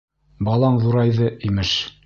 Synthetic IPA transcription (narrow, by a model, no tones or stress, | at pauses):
bɑlˠɑɴðuɾɑjðɤimɘʃ